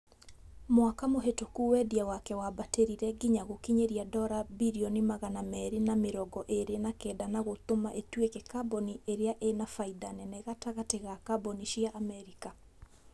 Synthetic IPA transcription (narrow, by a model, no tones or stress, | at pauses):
moakamoɦetokuwɛdiawakɛwabateɾiɾɛɡiɲaɣokiɲeɾiadɔɾabiɾiɔnimaɣanamɛɾinameɾɔɡɔʔeɾenakɛːdanaɣot̪omaʔetwekɛkaboniʔeɾeaʔenafaidanɛnɛɣataɣateɣakaboniʃiaʔːmɛɾika